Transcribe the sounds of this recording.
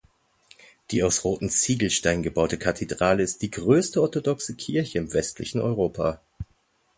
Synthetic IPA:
d̥iːaʊsʁoːtn̩t͡siːɡl̩ʃtaɪnɡəbaʊtəkʰatʰedʁaːləɪst̚d̥iːɡʁøːstəɔɐtodɔksəkʰɪɐçəɪmvɛstlɪ̰çn̩ɔ̰ʏʁoːpʰa̰

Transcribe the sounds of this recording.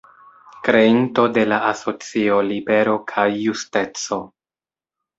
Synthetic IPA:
kɾe̞into̞de̞laʔaso̞t͡sio̞libe̞ɾo̞kʰajːuste̞t͡so̞

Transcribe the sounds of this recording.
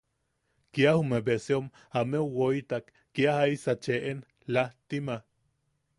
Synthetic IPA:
kjahumebeseom | ameuwoit̪akːiahaisat͡ʃeʔen | laht̪ima

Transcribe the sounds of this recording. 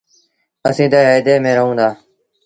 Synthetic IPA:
əsĩːt̪əɦəjd̪eːmẽːɾəɦũːnd̪aː

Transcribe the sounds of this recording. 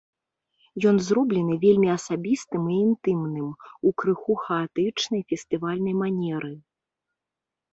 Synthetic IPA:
jɔnzrɔblʲɛnɨvʲelʲmʲiɐsabʲist̪ɨmiːnt̪ɨmnɨmukɾɨxuxɐat̪ɨt͡ʂnɐjfʲɛst̪ɨvalʲnɐjmanʲɛɾɨ

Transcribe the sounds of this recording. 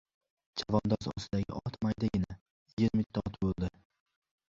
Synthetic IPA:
d͡ʒavɒnd̪ɒzɒ̰sɪd̪aɡʲɪ̰ʔɒt̪ʰmajd̪aɡʲɪna | jɪɾmɪt̪ʰːɒt̪bolˠd̪ɪ

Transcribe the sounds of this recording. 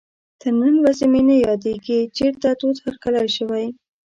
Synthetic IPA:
t̪əɾnanwazemenajɑd̪eɡit͡ʃeɾt̪at̪ot̪haɾkalajʃəwaj

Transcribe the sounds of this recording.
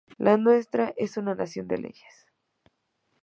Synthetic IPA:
lʔanwe̞st̪ɾaʔe̞sunanasjo̞nd̪e̞̰lʔe̞̰ʝe̥s

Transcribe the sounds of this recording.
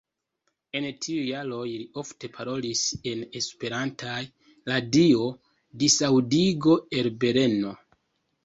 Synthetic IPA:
e̞ntʰiujalo̞jlio̞fte̞pʰaɾo̞lise̞ne̞spe̞ɾantʰaj | ladio̞ | disawdiɡo̞e̞lbe̞ɾe̞no̞

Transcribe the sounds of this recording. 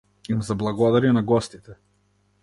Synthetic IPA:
imzablˠaɡɔd̪aɾinaɡɔst̪it̪ɛ

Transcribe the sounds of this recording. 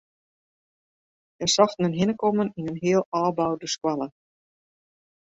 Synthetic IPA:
jɛsɑxtnənɦɪnəkɔməninənɦɪəlˠɑːbawdəskwalə

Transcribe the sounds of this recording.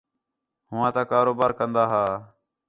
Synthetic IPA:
ɦʊʋãːt̪aːkaːɾoːbaːɾkənd̪aːɦaː

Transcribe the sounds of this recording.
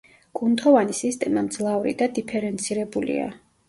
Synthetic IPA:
ɡ̥unt̪ʰɔvanisist̪ʼɛmamd̪zlˠavɾḭd̪ad̪ipʰɛɾɛnt̪sʰiɾɛbulḭa̰

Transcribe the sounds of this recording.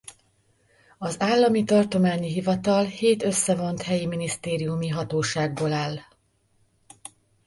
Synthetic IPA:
ɒzaːlːɒmit̪ɒrt̪o̞maːɲiɦivɒt̪ɒlheːt̪ø̞sːɛvo̞nt̪hɛjiminist̪eːɾijumiɦɒt̪oːʃaːɡ̚boːlaːl

